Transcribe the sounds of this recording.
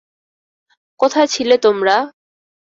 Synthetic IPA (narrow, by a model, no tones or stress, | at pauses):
kɔt̪ʰat͡ɕʰilet̪omɾa